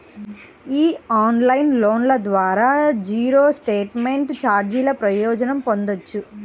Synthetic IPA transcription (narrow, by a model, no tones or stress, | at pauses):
iːaːnlɐjnloːnlɐd̪ʋaːɾaːd͡ʒiːɾoːsʈeːʈme̞ɳʈt͡ʃaːɾd͡ʒiːlɐpɾɐjɔːd͡ʒɐnɐmpo̞nd̪ot͡ʃːu